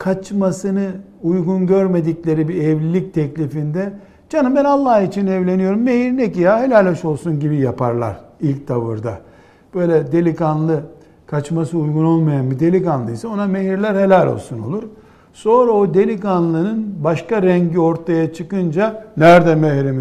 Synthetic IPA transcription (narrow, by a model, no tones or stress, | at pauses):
kʰat͡ʃmasɯnɯ | ujɡunɟøɾme̞d̪iclʲe̞ɾibiɛvlʲilʲic̚t̪ʰɛclʲifind̪ɛ | d͡ʒanɯmbɛnalˠːahit͡ʃʰinɛvlʲe̞nijo̞ɾumːehiɾnecijahelʲælʲːɛʃo̞lˠsunɟibijapa̰ɾlˠa̰ɾilʲc̚t̪ʰavɯ̰ɾd̪a̰ | b̥ø̞jlʲɛd̪e̞lʲikanlˠɯ | kʰat͡ʃmasɯujɡuno̞lˠmajanbid̪e̞lʲikanlˠɯisɛo̞nameɦiɾlʲæɾhelʲælʲo̞̰lˠsunolˠuɾ | so̞nɾaod̪e̞lʲikanlˠɯnɯnbaʃkaɾɛɲɟio̞ɾt̪ʰajat͡ʃʰɯkɯnd͡ʒanæɾd̪ɛmɛhɾimi